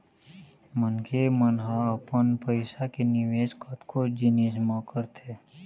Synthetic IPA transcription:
mənkʰemənɦãəpənpəɪsakenɪʋeːskʰət̪kʰod͡ʒinismakəɾt̪ʰeː

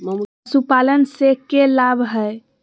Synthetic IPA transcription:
supalənsekelabʱɦəj

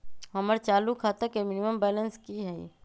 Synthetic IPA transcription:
ɦɐməɾt͡ʃaːlukʰaːt̪əkemɪnɪməmbɛːlənskiɦɛḭ

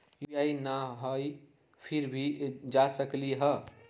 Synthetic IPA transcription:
jjajnaɦəj | pʰiɾbʱid͡ʒasəkliɦʌ

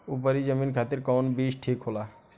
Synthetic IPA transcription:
upəɾid͡ʒəminkʰaːt̪ɪɾkɔːnbiʃʈʰikɦolaː

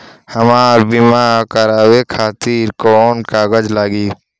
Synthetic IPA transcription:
hɐmaːɾbiːmaːkəɾaːwekʰaːt̪iːɾkoːnkaːɡəd͡ʒlaːɡiː

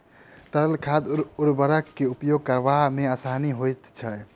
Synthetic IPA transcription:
t̪əɾəlkʰad̪uɾbəɾəkːeupjoɡ̚kəɾʋameasaniɦojt̪t͡ʃʰə

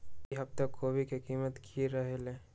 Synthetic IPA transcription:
iɦɐb̚t̪akʰːobʱikekiːmət̪kʰiɾɐɦelẽː

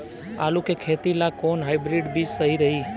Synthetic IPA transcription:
a̰lũkekʰet̪ilakonɦaːjbɾiɖbid͡ʒsəɦiɾəɦi

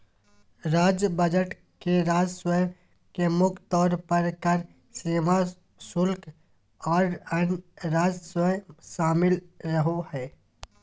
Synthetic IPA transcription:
ɾaːd͡ʒəbəd͡ʒəʈ | keɾaːd͡ʒswəj | kemʊkʰt̪ɔːɾpəɾkəɾ | seːma | sʊlk | ɔːɾənɾaːd͡ʒswəʃaːmɪlɾəɦohɛː

